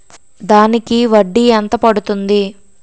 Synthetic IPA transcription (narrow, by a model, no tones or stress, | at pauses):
d̪aːnikiʋɐɖːiɐnt̪ɐpɐɽut̪und̪i